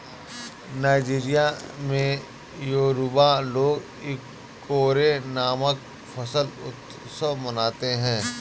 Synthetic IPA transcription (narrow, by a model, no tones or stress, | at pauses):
naːɪd͡ʒiːɾijamẽ | joːɾubaloːɡ | ɪkː | oːɾenaːmək̚ | fʰəsəlʊt̪ | səmənaːt̪eɦɛ̃ː